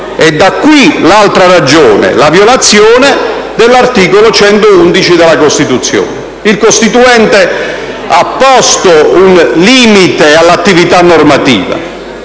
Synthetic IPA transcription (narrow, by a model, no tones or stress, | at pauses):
ɛd̪ːakːwilalt̪ɾarad͡ʒoːnḛlavjolat̪sːjoːne | d̪elːart̪iːkolot͡ʃɛnt̪ound̪it͡ʃid̪elakost̪it̪ut̪sːjo̰ːne | ilkost̪it̪uɛnt̪e | apːɔst̪ounliːmit̪ealːat̪ːivit̪anːormat̪ḭːva̰